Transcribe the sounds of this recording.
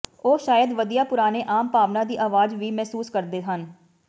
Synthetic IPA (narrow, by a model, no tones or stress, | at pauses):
oːʃaːjəd̪ʋəd̪ijaːpʊɾaːneːʔaːmpaːʋnaːd̪iːʔaːʋaːd͡ʒʋiːmɛːsuːskəɾd̪eːɦən